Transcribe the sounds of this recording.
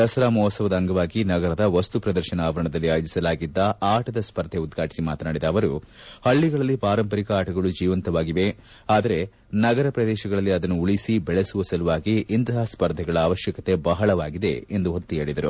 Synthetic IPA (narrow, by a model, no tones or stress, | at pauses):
d̪ɐsɐɾaːmɔːsɐʋɐd̪ɐːŋɡɐʋaːɡinɐɡɐɾɐd̪ɐʋɐst̪upɾɐd̪ɐɾʃɐnɐːʋɐɾɐɳɐd̪ɐlːiaːjod͡ʒisɐlaːɡid̪ːɐaːʈɐd̪ɐspɐɾd̪ʱeud̪ɡʱaːʈisimaːt̪naːɽid̪ɐːʋɐɾuhɐɭːiɡɐɭɐlːipaːɾɐmpɐɾikɐaːʈɐɡɐɭud͡ʒiːʋɐnt̪ɐʋaːɡiʋe̞ | aːd̪ɐɾe̞ | nɐɡɐɾɐpɾɐd̪ɛːʃɐɡɐɭɐlːiɐd̪ɐnːuuɭisibɛɭesuʋɐsɐluʋaːɡiʔint̪ɐɦaːspɐɾd̪ʱɛɡɐɭɐaːʋɐʃjɐkɐt̪e̞bɐɦɐɭɐʋaːɡid̪e̞end̪uɦot̪ːueːɭid̪ɐɾṵ